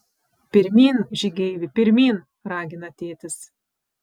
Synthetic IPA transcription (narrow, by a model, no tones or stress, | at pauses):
pʲɪɾʲmʲiːnʒʲɪɡʲɛɪʋʲɪpʲɪɾʲmʲiːn | ɾɑːɡʲɪnɐt̪ʲeːt̪ʲɪs